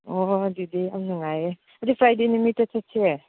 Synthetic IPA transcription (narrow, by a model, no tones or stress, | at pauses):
odidiɐmnuŋaje | ɐdipʰɾajdenimitːɐtʰatse